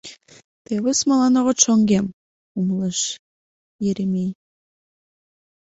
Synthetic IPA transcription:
t̪eβəsmɑlˠɑnoʁəʃoŋɡem | umləʃ | jeɾemij

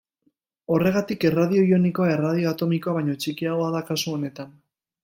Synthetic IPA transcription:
o̞re̞ɣ̞at̪ikerað̞io̞io̞niko̞ae̞rað̞io̞at̪o̞mikoaβ̞ajɲo̞t͡ʃikiaɣoaðakasuo̞ne̞t̪an

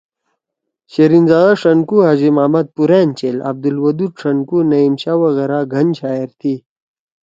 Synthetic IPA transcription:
ɕeɾinzaːaʂɐnkuɦaʑimaːmɐt̪̚puɾeːnt͡ɕelɐ̰b̚d̪ulwɐd̪uʈ͡ʂʰɐnkunɐimɕawɐɣeɾaɡʱɐnɕaːeɾt̪ʰi

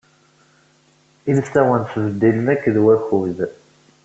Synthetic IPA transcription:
ilsæwənθvəd̪ːiləmækːðwæçuð

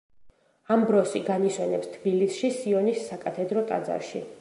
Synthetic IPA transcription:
ambɾɔsiɡaniswɛnɛpst̪ʰbilisʃisiɔnisːakʼat̪ʰɛd̪ɾɔt̪ʼa̰d̪za̰ɾʃḭ

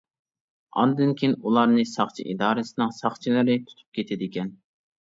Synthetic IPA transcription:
ɑ̰nd̪ɨnkʲʰinulˠɑɾnɨsɑχt͡ʃʰḭʔid̪ɑːɾɨsɨnɨŋsɑχt͡ʃʰilɨɾɪt̪ʰu̥t̪ʰu̥p̚kʲet̪ʰɪd̪ɪkʲɛn

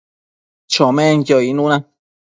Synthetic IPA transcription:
t͡ʃõmẽnjoinũnã

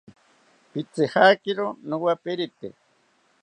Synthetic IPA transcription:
pit͡sehakiɾonuwapeɾit̪ḛ

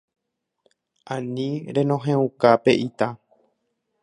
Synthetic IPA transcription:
ãnĩɾẽ̞nõ̞ɦẽũkape̞ʔit̪a

